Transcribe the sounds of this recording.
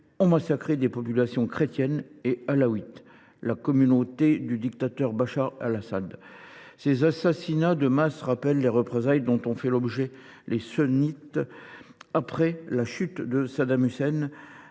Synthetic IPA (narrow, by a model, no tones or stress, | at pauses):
ɑ̃masakχed̪epɔpylasjɔ̃kχet̪jɛnealawit̪ | lakɔmynot̪ed̪yd̪ikt̪at̪œʁbaʃaʁa̰lasad̪sezasasinad̪əmasʁapɛlːeʁəpχezajd̪ɔ̃t̪ɔ̃fɛlɔbʒɛ | lesənit̪ | apχɛlaʃyt̪d̪əsad̪amysɛn